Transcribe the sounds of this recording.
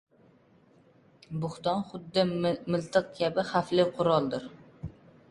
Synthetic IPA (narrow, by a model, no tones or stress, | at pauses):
bʊχt̪ɑnχʊd̪ːɪmɪlt̪ʰɨq̚kʲʰæbɪχæflɪqʰʊɾɒlˠd̪ɨɾ